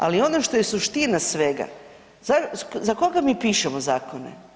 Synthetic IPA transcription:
a̰lio̞noʃt̪o̞jesuʃt̪inasʋeɡa̰ | zazako̞ɡamiːpiːʃemozaːkʰonḛ

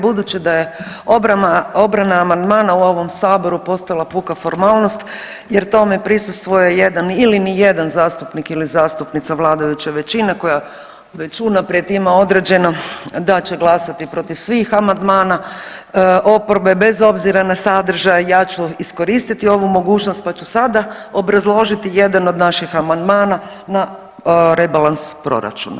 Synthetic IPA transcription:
bud̪ut͡ɕid̪aje̞ | oaaobɾanaːmand̪maːnauo̞ʋo̞msaːbo̞ɾupo̞st̪alˠapukafo̞ɾmaːlˠno̞st̪ | je̞ɾt̪o̞me̞pɾisust̪ʋojeje̞d̪anilinijed̪anzaːst̪upnikilizaːst̪upnit̪saʋlˠaːd̪ajut͡ɕaʋe̞t͡ɕinako̞ja | ʋet͡ɕunapɾjet̪imao̞d̪ɾed͡ʑe̞nad̪at͡ɕe̞ɡlˠasat̪ipɾo̞t̪iʋsʋiːxamand̪maːna | ʔo̞poɾbe̞be̞zo̞bziɾanasad̪ɾ̩ʒajjaːt͡ɕuisko̞ɾiːst̪it̪io̞ʋumo̞ɡuːt͡ʃnost̪̚pat͡ɕusad̪ao̞bɾazlˠo̞ʒit̪ije̞d̪ano̞d̪naʃixamand̪maːna | na | ɾebalˠanspɾo̞̰ɾa̰t͡ʃṵna̰

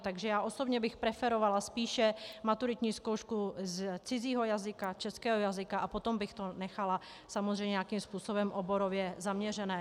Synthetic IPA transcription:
t̪aɡʒɛjaːʔo̞so̞bɲɛbɪxpɾɛfɛɾovalaspiːʃɛmat̪uɾɪt̪ɲiːskowʃkuzt͡sɪziːɦojazɪkat͡ʃɛskɛːɦojazɪkaʔapot̪ombɪxt̪onɛxala | samozrɛjɲɛjakiːmspuːsobɛmʔoboɾovjɛzamɲɛrɛnɛː

